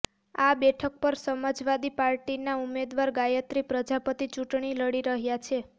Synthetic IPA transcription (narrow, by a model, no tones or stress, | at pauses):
abɛʈʰək̚pəɾsəməd͡ʒʋad̪ipaɾʈinaumed̪ʋaɾɡajət̪ɾipɾəd͡ʒapət̪it͡ʃuʈɳ̃iləɽiɾəɦjat͡ʃʰe